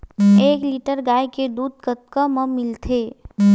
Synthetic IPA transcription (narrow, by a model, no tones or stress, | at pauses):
eːkliʈəɾɡaːjked̪uːd̪̚kət̪̚kəməmɪlt̪ʰe